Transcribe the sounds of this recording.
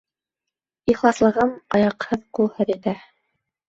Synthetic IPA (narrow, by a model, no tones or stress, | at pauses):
iχlˠɑslˠɤ̆ʁɤmɑjɑqhɤðqulˠhɤðit̪æ